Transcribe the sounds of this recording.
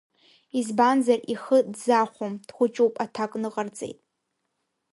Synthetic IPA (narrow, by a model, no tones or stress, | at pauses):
izbanzariχədzaχʷomd̥χʷʊt͡ʃʼuwpʼatʰakʼnɨqʼart͡sʼḛjtʼ